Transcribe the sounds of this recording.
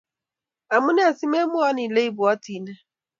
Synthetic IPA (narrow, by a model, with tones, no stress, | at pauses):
a˨mʊ˦ne˦a˨si˦me˦mʊ˦a˦ni˨le˦i˦bʊ˨ɔ˦ti˨na˦